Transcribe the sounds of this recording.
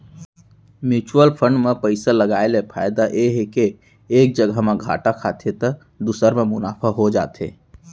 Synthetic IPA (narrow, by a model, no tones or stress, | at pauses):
mjuːt͡ʃwəlpʰə̃ɳɖmẽpəɪsaləɡaːelepʰaːjd̪aʔeɦekeː | k̚d͡ʒəɡʱəmẽɡʱa̰ːʈakʰaːt̪ʰet̪ə | d̪usəɾmẽmʊnaːpʰaɦod͡ʒa̰ːt̪ḛː